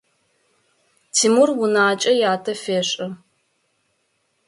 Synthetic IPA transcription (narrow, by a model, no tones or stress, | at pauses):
tʰiːmurwʊnaːt͡ʃʼɐjaːtʰɐfeːɕʼɐ